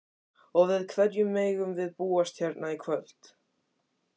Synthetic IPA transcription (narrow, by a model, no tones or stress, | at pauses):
ɔɣvɪðkʰvɛɾjʏmːeːjɣʏmvɪðpuːast̪çɛɾt̪naikʰvœl̥t̪